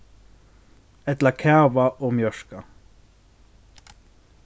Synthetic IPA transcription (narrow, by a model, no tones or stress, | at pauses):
ɛt̪lɑkʰæʋɑʔoːmjœʃkɑ